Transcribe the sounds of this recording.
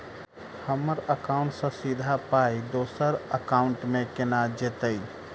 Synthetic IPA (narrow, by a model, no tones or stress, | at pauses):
həməɾəkaʊ̃ɳʈsə̃sid̪ʱapaid̪oːsəɾəkaːʊɳʈmẽkenad͡ʒet̪əi